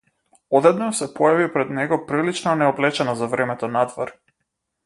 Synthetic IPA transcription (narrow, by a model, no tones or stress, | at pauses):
ɔd̪ɛd̪nɔsɛpɔjavipɾɛd̪nɛɡɔpɾilit͡ʃnanɛɔblɛt͡ʃɛnɔzavɾɛmɛt̪ɔnad̪vɔɾ